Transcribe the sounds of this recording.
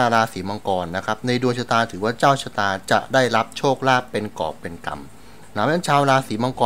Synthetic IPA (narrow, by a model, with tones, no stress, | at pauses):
aː˧ɾaː˧siː˩˦ma˧ŋkɔː˧nːa˦˥kʰa˦˥p̚na˧jdu˧ənt͡ɕʰa˧t̪aː˧t̪ʰɯː˩˦waː˥˩t͡ɕaː˥˩wt͡ɕʰa˧t̪aː˧t͡ɕa̰˨˩ʔdaː˥˩jɾa˦˥p̚t͡ɕʰoː˥˩k̚laː˥˩ppːe˧nkɔ̰ː˨˩pːe˧nka̰˧m | naː˨˦mlɛ˦˥˩nt͡ɕʰaː˧wɾaː˧siː˩˦ma˧ŋkɔː˧